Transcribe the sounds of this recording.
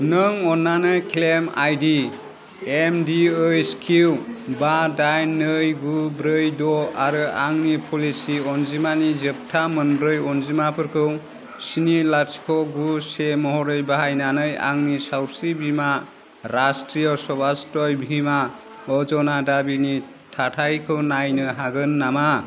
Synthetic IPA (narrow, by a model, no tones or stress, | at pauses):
nɯŋɔnːanɯjkʰlema̰jdi | emdiɯjskʰiwbadajnɯjɡubɾɯjdɔaɾɯaŋnipʰɔlisiɔnzimanizəp̚tʰamɯnbɾɯjɔnzimapʰɯɾkʰɯw | sinilaɾskʰɔɡusemɔɦɔɾɯjbaɦajnanɯja̰ŋnisawsibʱima | ɾastɾijɔsɔbastɔjbʱima | ɔd͡ʒɔnadabini | tʰatʰajkʰɯwnajnɯɦaɡɯnːama